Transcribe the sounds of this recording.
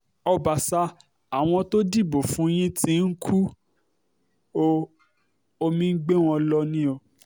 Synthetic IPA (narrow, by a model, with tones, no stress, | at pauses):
ɔ˧ba˨sa˧˦ | a˨w̃ɔ̃˧to˦di˦˨bo˨fũ˨˦j̃ĩ˦tĩ˦n̩˦kʰu˦ | o˦˧ | o˧mĩ˦ɡ͡be˦w̃ɔ̃˧lɔ˧nĩ˦o˧˨